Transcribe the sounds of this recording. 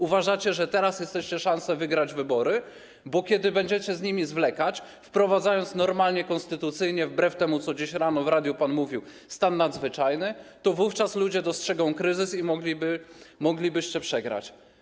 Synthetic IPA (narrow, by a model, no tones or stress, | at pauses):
uvaʐat͡ɕɛʐɛt̪ɛɾasjɛst̪ɛɕt͡ɕɛʂansɛvɘɡɾad͡ʑvɘbɔɾɘ | bɔkʲjɛd̪ɘbɛɲd͡ʑɛt͡ɕɛzɲimʲizvlɛkat͡ɕ | fpɾɔvad̪zajɔnt̪snɔɾmalɲɛkɔnst̪ɘt̪ut̪sɘjɲɛvbɾɛft̪ɛmut̪sɔd͡ʑeɕɾanɔvɾad̪ʲjupanmuvʲiw | st̪anːad̪zvɘt͡ʂajnɘt̪ɔvuft͡ʂaslud͡ʑɛd̪ɔstʂɛɡɔ̃w̃kɾɘzɘsimɔɡlʲibɘmɔɡlʲibɘɕt͡ɕɛpʂɛɡɾa̰t͡ɕ